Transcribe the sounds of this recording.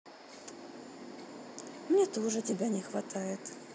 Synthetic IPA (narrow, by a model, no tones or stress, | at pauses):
mnʲet̪oʐɨtʲɪbʲanʲɪxvɐt̪ajɪt̪